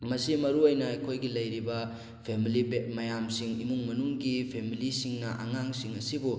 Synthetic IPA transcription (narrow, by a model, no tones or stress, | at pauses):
mɐsimɐɾuojnɐɐjkʰojɡilɐjɾibɐ | pʰemilibet̚mɐjamsiŋimuŋmɐnuŋɡipʰemilisiŋnɐʔaŋaŋsiŋɐsibu